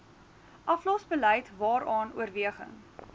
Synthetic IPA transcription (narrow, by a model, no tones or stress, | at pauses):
ʔɐflɔsbələjtvɑːɾɑːnṵərviəχə̰ŋ